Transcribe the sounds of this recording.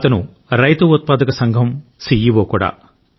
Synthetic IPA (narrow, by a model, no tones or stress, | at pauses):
t̪ɐnu | ɾɐjt̪uut̪̚paːd̪ɐkɐsɐŋɡʱɐmsijiʋoːkuɽa̰ː